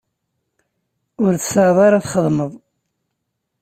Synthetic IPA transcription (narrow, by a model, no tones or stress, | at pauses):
ʊɾθə̥sɑʕðˤɑɾˤaθχəðˤməðˤ